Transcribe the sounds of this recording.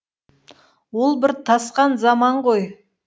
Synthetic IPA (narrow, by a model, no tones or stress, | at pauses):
wo̞lˠbɪɾt̪ʰɑsqɑnzɑmɑɴʁo̞j